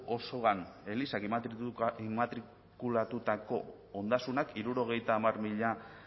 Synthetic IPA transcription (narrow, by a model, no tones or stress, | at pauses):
o̞so̞ɣane̞lisakit̪mat̪ɾi | kulat̪ut̪ako̞̰ː | nd̪asunakʰiɾuɾo̞ɣ̞e̞jt̪aːmarmiʎa